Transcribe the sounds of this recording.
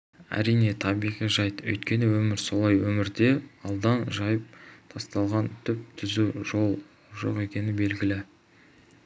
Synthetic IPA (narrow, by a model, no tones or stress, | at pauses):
æ̰ɾijne̞t̪ʰɑbijʁijʒɑjt̪ɵ̰jt̪kʲe̞nɪwɵmɪɾso̞lˠɑjwɵmɪɾd̪e̞ɑlˠd̪ɑnʒɑjəp̚t̪ʰɑst̪ɑlˠʁɑnt̪ʰʏp̚t̪ʰʏzuo | ʒo̞̰qe̞kʲe̞nɪbe̞lɡʲɪlɪ